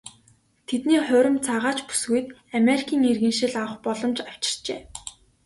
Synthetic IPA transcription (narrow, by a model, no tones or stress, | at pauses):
t̪ʰet̪niːχʊːɾʲɪ̆mt͡sʰaʁaːt͡ɕpu̥sɡujt̪̚ameɾikʰiːŋerɣɘ̆nʃɪ̆ɮaw̆χpɔɮɞ̆mt͡ɕaw̥t͡ɕɪ̥̆r̥t͡ɕeː